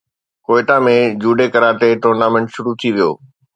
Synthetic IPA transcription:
koːɪʈãmẽd͡ʑuːɖekəɾaːʈ̪eʈoːɾnaːmɛ̃ɳʈʃʊɾut̪ʰiʋijo̰ː

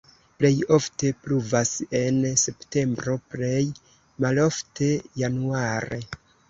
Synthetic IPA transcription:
ple̞jo̞fte̞pluvase̞nse̞pte̞mbɾo̞ple̞j | malo̞fte̞januaɾe̞̰

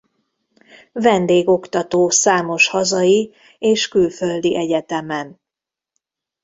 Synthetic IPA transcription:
vɛnd̪eːɡo̞kt̪ɒt̪oːsaːmo̞ʃhɒzɒji | eːʃkylføld̪iʔɛɟɛt̪ɛmɛn

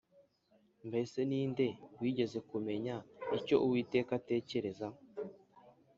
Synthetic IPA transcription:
mbese̞niːnde̞wiːɟe̞ze̞kume̞ɲaico̞ʔuwiːteːkate̞ːce̞ɾe̞za

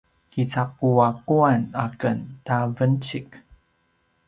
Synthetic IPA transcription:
kit͡sap̚uakuana̰kəntavənt͡ɕik

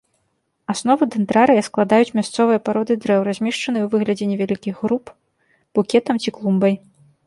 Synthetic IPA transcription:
asnɔvɨd̪ɛnt̪ɾaɾɨjɐsklˠad̪ajut͡sʲmʲast̪sɔvɨjɐpaɾɔd̪ɨd̪ɾɛwɾazʲmʲɛʂt͡ʂɐnɨjuvɨɣlʲɐd͡zʲɛnʲɛvʲalʲikʲiɣɣɾup | b̥ukʲɛt̪ɐmt͡sʲiklˠumbɐj

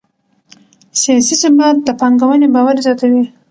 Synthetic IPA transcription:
sijɑsisɪmat̪̚d̪əpɑŋɡawənebɑwaɾizjɑt̪awi

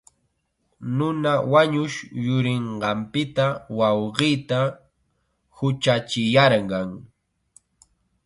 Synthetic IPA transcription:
nʊnawaɲʊʃjʊɾɪɴɢɑmpɪt̪awɑwɢiːt̪a | hʊt͡ʃat͡ʃɪjɑɾɢɑŋ

